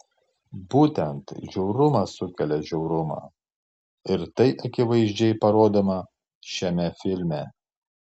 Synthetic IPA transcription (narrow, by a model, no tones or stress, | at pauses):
buːt̪ʲɛnt̪ʒʲɛʊɾʊmɐsʊkʲɛlʲɛʒʲɛʊɾʊmɑ̰ː | ɪɾt̪ɐɪʔɐkʲɪʋɐɪʒʲd͡ʒʲɛɪpɐɾoːd̪omɐ | ʃʲɛmʲɛfʲɪlʲmʲɛ